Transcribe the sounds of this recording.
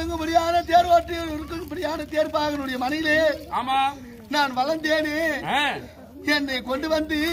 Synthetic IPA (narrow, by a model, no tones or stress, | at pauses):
ɯŋɡɐmʊɽɪjaːnɐt̪eːɾpaːʈːɯɪɾɯkːɯŋpʊɽɪjaːnɐt̪eːɾpaːɣɐnɯɽɐjɐmɐnɐjɪleaːmaː | naːnʋɐlɐnd̪eːneː | ɛnːɐɪkɔɳɖɯʋɐnd̪i